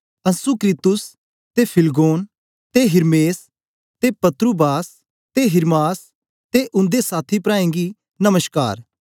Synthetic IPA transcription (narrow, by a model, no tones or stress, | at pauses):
ɐ̃nsukɾiːt̪ʊs | t̪epʰɪlɡoːn | t̪eɦɪɾmeːs | t̪epɐt̪ɾubaːs | t̪eɦɪɾmaːs | t̪eʔʊ̃nd̪esaːt̪ʰipɾaːẽŋɡi | nɐməska̰ːɾ